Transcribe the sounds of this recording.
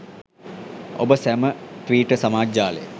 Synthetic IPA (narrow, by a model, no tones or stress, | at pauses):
o̰bəsæmət̪ʋiːʈəsamaːd͡ʒaːlə̰j̰